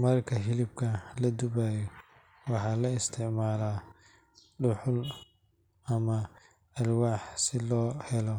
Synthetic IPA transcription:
mɐrkʰɐɦɪlɪb̚kʰɐlɐd̪ʊβaːjɔ | wɑħɑːlɐɪst̪ʰɪʕmaːlaː | ɖʊħʊl | ɐmɐ | ɐrwaːħsɪlɔːhɛlɔ

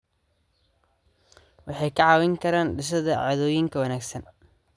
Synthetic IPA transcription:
wɑħɑjkʰɑʕɑːwɛŋkʰɐɾaːnɖɪʃ̬ɐðɐʕɑ̰ːðɔːjɪŋkʰɐwɐnaːɡsɐn

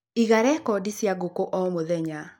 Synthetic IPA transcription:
iɣaɾɛkɔdisjaɡokoʔɔmoðɛɲa

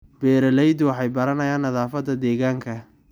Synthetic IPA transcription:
b̥ɛːɾɐlɛjd̪ʊwɑħɑjbɐɾɐnɐjaːnːɐðaːfɐd̪ɐd̪ɛːɣaːŋkʰɐ

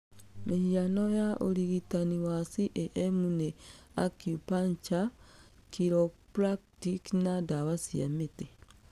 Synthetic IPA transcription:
mihianojaʔo̰liɣitaniwasiʔeʔemuneakjupaɲt͡ʃakiɾopɾaktiknadawasiamete

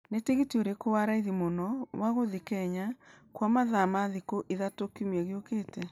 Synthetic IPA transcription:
neteɣitioɾekowaɾaiðimonɔwaɣoðikɛɲakwamaðamaðikoʔiðatokumɛɣeokeːtɛ

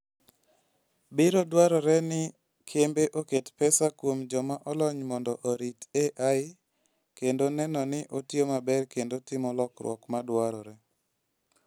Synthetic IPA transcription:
bɪɾodwaɾɔɾɛnɪ | kʰembeʔoketpɛsakwomd͡ʒɔmaʔɔlɔɲmɔndɔʔoɾiteʔaɪ | kendonɛnɔnɪʔotjomabɛrkendotɪmɔlɔkɾwɔkmadwaɾɔɾɛ

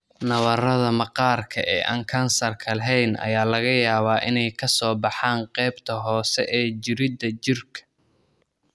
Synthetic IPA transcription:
nɐβɐrɐðɐmɑqɑːrkʰɐ̰ʔɛ̰ːʔa̰ːŋkʰɐnsɐrkʰɐlɐɦɛjnʔɐ̰jaːlɐɣɐjaːβaːʔɪnɛjkʰɐsɔːbɑħɑːɴqɛjbt̪ʰɐɦɔːsɛʔɛːd͡ʒɪɾɪd̪ɐt͡ʃɪrkʰɐ̥

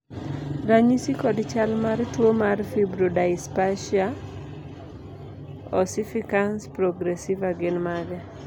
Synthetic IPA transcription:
ɾaɲisikɔdt͡ʃalmartwomarfibɾodaɪspaʃia | ɔsifikanspɾɔɡɾɛsivaɡɪnmaɡɛ

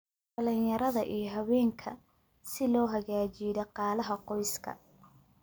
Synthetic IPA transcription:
ɐlɪnjɐɾɐðɐʔijɔɦɐwɛːŋkʰɐ̰ | sɪlɔːɦɐɣaːt͡ʃiðɐqɑːlɐɦɐqɔjskʰɐ̰

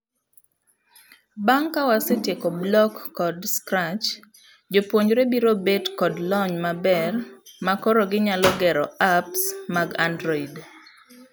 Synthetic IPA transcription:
baŋkawasetjekɔblɔkːɔdskɾat͡ʃ | d͡ʒopwoɲd͡ʒɾebiɾobetkɔdlɔɲmabɛrmakɔɾɔɡɪɲalɔɡɛɾɔapsmaɡandɾɔid

